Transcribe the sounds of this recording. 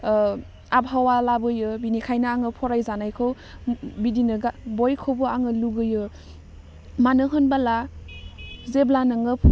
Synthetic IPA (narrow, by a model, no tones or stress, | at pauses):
abɦawalabɯjɯbinikʰajnaaŋɯpʰɔɾajzanajkʰɯw | bidinɯɡabojkʰobɯaŋɯluɡɯjɯ | manɯɦɯnbala | zeblanɯŋɯpʰ